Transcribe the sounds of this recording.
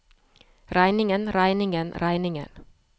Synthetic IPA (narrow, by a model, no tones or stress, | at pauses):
ɾæɪnɪŋənɾæɪnɪŋənɾæɪnɪŋə̰n